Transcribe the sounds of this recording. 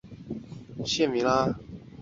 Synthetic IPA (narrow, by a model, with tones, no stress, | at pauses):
ɕjɛ˥˨mi˨˥la˦